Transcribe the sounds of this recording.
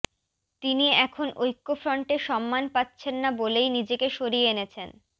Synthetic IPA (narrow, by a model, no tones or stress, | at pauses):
t̪iniɛkʰonojkːofɾɔɳʈeʃɔmːanpatːɕʰenːabolejnid͡ʑekeʃoɾieenet͡ɕʰen